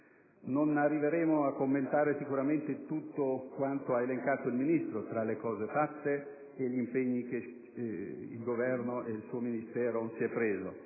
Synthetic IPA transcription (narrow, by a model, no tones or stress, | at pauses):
nonarːiveɾɛːmoakːomːent̪aːɾesikuɾament̪et̪ut̪ːokwant̪oaeleŋkaːt̪oilminist̪ɾot̪ɾalekɔːzefat̪ːeː | ʎimpeɲːike | ḭlɡovɛrnoʔeilsuːominist̪ɛːɾosiɛpːɾeːzo̰